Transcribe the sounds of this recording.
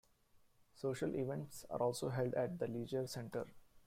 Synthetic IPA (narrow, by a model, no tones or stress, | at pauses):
soːʃəlʔiʋẽɳʈsa̰ːɾʔɔːlsoːɦɛlɖæʈ̚d̪əliːd͡ʒəɾsẽɳʈə̰ɾ